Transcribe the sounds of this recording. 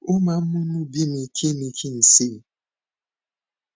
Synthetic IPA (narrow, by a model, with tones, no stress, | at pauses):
ʊ˦ma˨m̩˦mʊ˦nʊ˦bi˦ni˨kʰi˦ni˨kʰi˦n̩˨si˦˨